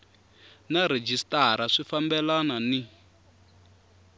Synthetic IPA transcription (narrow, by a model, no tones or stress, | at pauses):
naɾed͡ʒistaɾaʂifambɛlanani